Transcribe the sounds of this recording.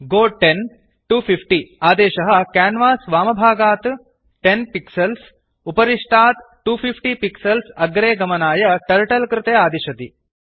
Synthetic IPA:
ɡoːʈen | ʈuːfʰifʈiːaːd̪eːʃɐɦɐkæːnʋaːsʋaːmɐbʱaːɡaːt̪ | ʈenpiksɐls | upɐɾiʂʈʰaːt̪ | ʈuːfʰifʰʈipiksɐlsɐɡɾeːɡɐmɐnaːjɐʈɐɾʈɐlkɾɪt̪eːaːd̪iʃɐt̪ḭ

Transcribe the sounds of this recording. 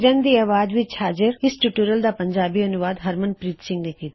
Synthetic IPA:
ɾə̃nd̪iɐːʋaːd̪ʋɪt͡ʃhaːd͡ʒəɾɪsʈuʈuːɾəld̪aːpəɲd͡ʒaːbiɐnʊʋaːd̪ɦəɾmənpɾiːt̪sɪ̃ŋɡnekiːt̪

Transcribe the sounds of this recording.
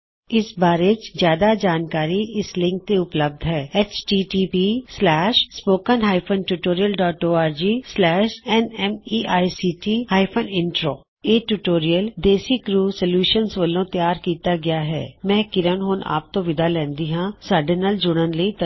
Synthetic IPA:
ɪsbaːɾet͡ʃzjaːd̪ad͡ʒaːnkaːɾiɪslɪ̃ŋk̚t̪eʊpləb̚d̪ʱɦɛːɛt͡ʃʈiːʈipislɛːʃspoːkənɦaːɪpʰənʈuːʈoːɾijəlɖɔːʈoːaːɾd͡ʒislɛːʃɛnɛmiːaːisiːʈihaːɪpʰənɪ̃ɳʈɾoː | eːʈuːʈoːɾijəld̪eːsikɾuːsəljuːʃənsʋəlõt̪jaːɾkiːt̪aɡɐjaɦɛ̰ːmɛ̃ːkɪɾənɦoːna̰ːp̚t̪õʋɪd̪alɛ̃ːnd̪iɦãsəɾɖənəld͡ʒʊɽ̃ənləit̪

